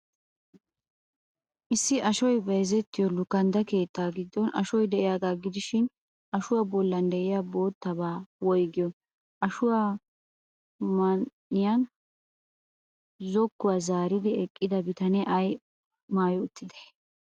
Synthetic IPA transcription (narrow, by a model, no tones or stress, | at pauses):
ʔɪsːɪʔɐʃɔjbɐjzɛt̪ːɪjɔlʊkːɐnd̪ɐke̞ːt̪ːaːɡɪd̪ːɔnʔɐ̰ʃɔjd̪ɛʔɪjaɡ̪aːɡɪd̪ɪʃɪn | ʔɐʃʊwabɔlːɐnd̪ɛʔɪjabo̞ːt̪ːɐbaːwɔjɡɪjɔ | ʔɐʃʊwa | mɐn | ɪjɐn | zɔkːʊwaːzaːɾɪd̪ɪɛkʼːɪd̪ɐbɪt̪ɐnɛʔɐj | maːjʊʊt̪ːɪd̪e̥